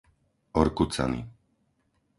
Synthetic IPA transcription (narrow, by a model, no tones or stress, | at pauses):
ɔɾkut͡sa̰nḭ